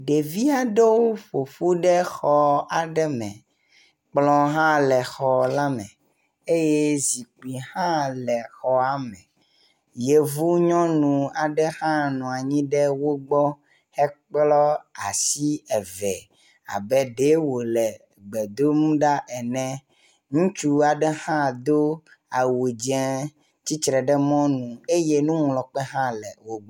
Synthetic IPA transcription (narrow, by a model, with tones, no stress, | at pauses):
ɖe˨vi˦a˨ɖɛ˦wo˦ɸo˨fu˦ɖɛ˦xɔ˦a˨ɖɛ˦mɛ̃˨ | k͡plɔ̃˦ɦã˦lɛ˨xɔ˨la˦mɛ̃˨ | e˦je˦zi˨k͡pu˨i˨hã˦lɛ˨xɔ˦a˨mɛ̃˨ | je˨vu˦ɲɔ̃˦nũ˨a˨ɖɛ˦xã˦nɔ̃˨a˨ɲĩ˦ɖɛ˦wo˦ɡ͡bɔ˦ | hɛ˦k͡plɔ˦a̰˨si˦ɛ˨vɛ˨ | a̰˨bɛ˦ɖe˦wo˨lɛ˨ | ɡ͡bɛ˨d̪o˦nũ˦ɖa˦ʔɛ˨nɛ̃˦ | ŋũ˦t͡ʃu˦a˨ɖɛ˦hã˦d̪o˦ | a˨wo˨d͡ʒɛ̃˦ | t͡ɕi˦t͡ʃɾɛ˨ɖɛ˦mɔ̃˦nũ˨e˦je˦nũ˦ŋlɔ˨k͡pɛ˦ɦã˦lɛ˨wo˦ɡ͡b